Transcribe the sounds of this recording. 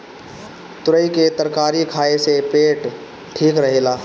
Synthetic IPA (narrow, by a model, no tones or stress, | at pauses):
t̪ʊɾəiket̪əɾkaːɾikʰaːesepeːʈ | ʈʰiːkɾəɦelaː